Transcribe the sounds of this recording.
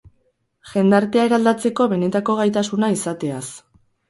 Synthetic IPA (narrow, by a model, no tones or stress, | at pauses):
ʝe̞nd̪aɾt̪e̞aeɾald̪at͡se̞ko̞βe̞ne̞t̪ako̞ɣ̞ajt̪asunaisat̪e̞as